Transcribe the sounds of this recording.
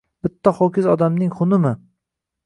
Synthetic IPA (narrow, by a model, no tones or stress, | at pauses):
bɪt̪ʰːaχɒkʲɪzɒd̪amnɪŋχʊnɪmɪ